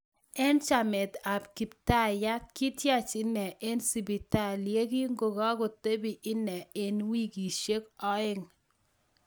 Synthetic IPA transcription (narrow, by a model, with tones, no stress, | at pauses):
ɛ˦nt͡ʃa˨mɪ˨t̪a˨pki˨p̚ta˦˨ja˦kːi˦tja˦t͡ʃɪ˦nɛ˨ʔe˦nsi˨bi˨ta˦˨lje˦ɡi˦ŋɡo˨ɡɔ˦ɡɔ˨te˦bi˨ʔɪ˦nɛ˨e˦nwi˦ɡi˨ʃe˦kɔ˦ɪ˦ŋ